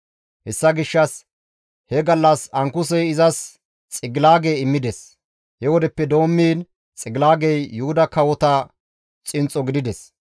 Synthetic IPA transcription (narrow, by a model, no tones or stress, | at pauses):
hɛsːɐɡɪʃːɐs | hɛɡɐlːɐsɐŋkʊs̬ɛjɪzɐs | t͡sʼɪɡɪlaːɡejɪmːɪd̪ɛs | hɛwɔd̪ɛpːɛd̪o̞ːmːiːn | t͡sʼɪɡɪlaːɡɛjːʊhʊd̪ɐkɐwɔt̪ɐ | t͡sʼɪnt͡sʼːɔɡɪd̪ɪd̪ɛs